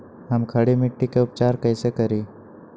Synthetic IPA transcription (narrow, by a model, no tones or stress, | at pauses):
ɦɐmkʰɐɽimɪʈːikeʊpt͡ʃaːɾkɐːsekɐɾiː